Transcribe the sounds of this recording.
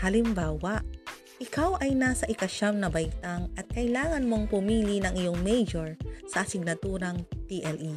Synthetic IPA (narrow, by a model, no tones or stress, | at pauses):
hɐlɪmbaːwɐʔ | ʔɪkawʔɐjnasɐʔɪkɐʃamnɐbɐjt̪aŋɐt̪̚kɐjlaːŋɐnmo̞ŋpʊmiːlinɐŋʔɪjo̞ŋmɛjd͡ʒoɹsɐsɪɡ̚nɐt̪uɾɐŋt̪iʔɛlʔi